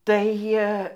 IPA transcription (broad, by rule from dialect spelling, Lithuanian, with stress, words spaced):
tɐɪ ˈjiɛ